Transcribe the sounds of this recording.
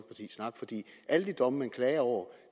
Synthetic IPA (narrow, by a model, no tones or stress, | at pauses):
pʰɑ̈t͡sʰḭːsnɑ̈ɡ̥fɒ̽d̥ḭːʔæləd̥id̥ɒ̽məmenkʰlɛːɐɒʊ̰ɐ